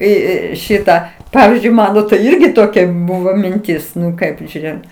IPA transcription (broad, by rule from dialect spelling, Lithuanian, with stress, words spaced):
iː ˈiː ˈʃʲɪtɑː ˈpɑːʋʲɪzʲd͡ʒʲʊɪ ˈmɑːnoː tɐɪ ˈɪrʲɡʲɪ toːˈkʲɛ ˈbuːʋoː mʲɪnʲˈtʲɪs ˈnʊ ˈkɐɪp ʒʲuːˈrʲeːjoːm